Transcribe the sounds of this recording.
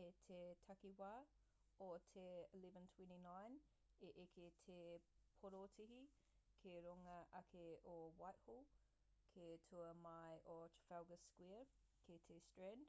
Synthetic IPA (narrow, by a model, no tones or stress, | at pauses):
etʰetʰɐkiwaː | otʰeəlivəntʰwɛ̃ntinajn | eʔekʰetʰepʰoɾotʰiɦi | kʰeɾoŋɐʔɐkʰeʔowajʔholˠ | kʰetʰuəmɐjʔot͡ʃə̥fɛwɡəskwiə | kʰetʰestɹɛnd